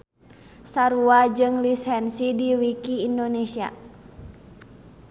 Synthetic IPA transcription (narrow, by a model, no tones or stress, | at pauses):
saɾuad͡ʒɨŋlishɛnsidiwikiːndonesia̰